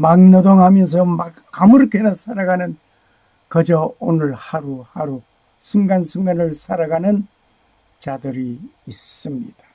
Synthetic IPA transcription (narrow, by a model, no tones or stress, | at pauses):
maŋnʌdoŋɦamjʌns̬ʰʌmaɡ | amuɾʌkʰenasʰaɾaɡanɯn | kʌd͡ʑʌonɯɭhaɾuhaɾu | sʰuŋɡansʰuŋɡanɯɭsʰaɾaɡanɯn | t͡ɕadɯɾiːs͈ɯmɲḭd̥ḁ